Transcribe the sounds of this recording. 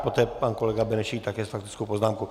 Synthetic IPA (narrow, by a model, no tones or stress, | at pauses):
pot̪ɛːpankɔlɛɡabɛnɛʃit̪akjɛst̪fakt̪ɪ̥t̪t͡sskowpɔznamku